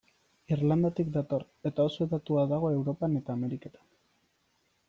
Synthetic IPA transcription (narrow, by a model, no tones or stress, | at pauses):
irland̪at̪ikd̪at̪o̞ɾ | e̞t̪ao̞soeðat̪uaðaɣ̞o̞e̞wɾo̞pane̞t̪aːme̞ɾike̞t̪ḁn